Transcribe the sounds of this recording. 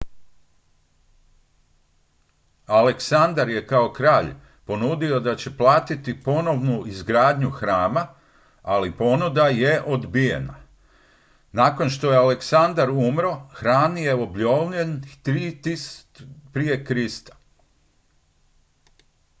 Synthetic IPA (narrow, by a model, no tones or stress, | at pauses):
aleksand̪aɾje̞kao̞kɾaːʎ | po̞nuːd̪io̞d̪at͡ɕe̞plˠaːt̪it̪ipo̞no̞ʋnuizɡɾaːd̪ɲuxɾaːma | alipo̞nud̪aje̞ʔo̞d̪bije̞̰na̰ | naːko̞nʃt̪o̞jealeksand̪aɾumɾo̞xɾaːnje̞obʎoʋʎent̪ɾit̪is | pɾije̞kɾist̪ḁ